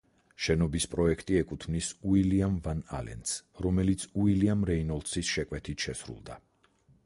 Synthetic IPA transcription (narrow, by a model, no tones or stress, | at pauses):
ʃɛnɔbispʼɾɔɛkʰt̪ʼiɛkʼut̪ʰmnisuiliamvana̰lɛ̰nsɾɔmɛlit̪sʰuiliamɾɛinɔlˠt̪sisʃɛkʼwɛt̪ʰit̪ʰʃɛsɾṵlˠd̪a